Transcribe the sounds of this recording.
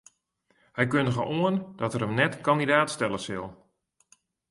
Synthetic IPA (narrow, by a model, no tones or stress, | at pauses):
hɛjkøndəɣəʔoənd̥ɔtəɾəmnɛtkɔndidaːtstɛləsɪlˠ